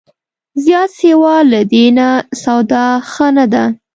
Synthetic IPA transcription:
zjɑt̪sewɑlad̪enasawd̪ɑxənad̪a

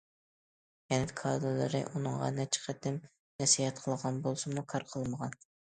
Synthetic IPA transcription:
jɛnɪkʰɑd̪olˠɨ̰ɾɨ̰ʔunɨŋʁɑ̰nɛt͡ʃʰɪ̥qʰɛd̪ɪm | nɛsihɛt̪̚qʰəlˠəʁɑnbolˠsɨmukʰɑɾqʰəlˠməʁɑn

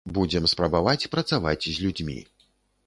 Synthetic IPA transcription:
bud͡zʲɛmspɾɐbavat͡sʲpɾɐt̪savat͡sʲzʲlʲud͡zʲmʲḭ

